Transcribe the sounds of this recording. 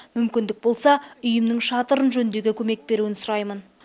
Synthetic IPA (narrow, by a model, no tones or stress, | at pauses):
mʏmkʲɪnd̪ɪk̚bo̞lˠsɑʏjɪmnɪŋʃɑt̪əɾənʒɵnɪnd̪e̞ɡʲekʲʰɵme̞k̚be̞ɾuwɪnsʊɾɑjmən